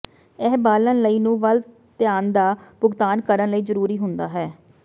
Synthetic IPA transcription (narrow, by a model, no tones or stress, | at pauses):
ɛːbaːlənləiːnũːʋəl | t̪ɪjaːnd̪aːpʊɡt̪aːnkəɾənləiːzəɾuːɾiːɦʊnd̪aːɦɛː